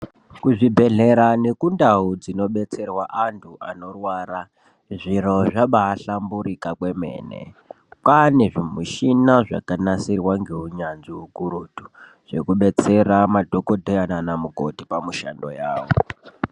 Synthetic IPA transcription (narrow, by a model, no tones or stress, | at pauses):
kuʐibʱe̞ɮe̞ɾane̞kundaud͡zino̞ɓe̞t͡se̞rwaʔantʰuʔano̞rwaːɾa | ʐiro̞ʐaɓaːɬamburikakwe̞mḛːnḛ | pane̞ʐimuʃinaʐa̰kanasirwaŋɡe̞uɲanziukuɾutu | ʐ̥e̞kuɓe̞t͡se̞ramadʱokodʱojananamuko̞̰tipamuʃa̰ndo̞̰jaːwo̰